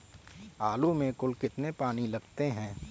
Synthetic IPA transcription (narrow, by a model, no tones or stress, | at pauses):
aːlumẽkʊlkɪt̪nepaːnilɐɡt̪eɦɛ̃ː